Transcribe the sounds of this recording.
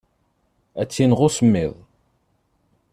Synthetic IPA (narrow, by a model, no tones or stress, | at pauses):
æt͡sːinʁʊsəmːɪðˤ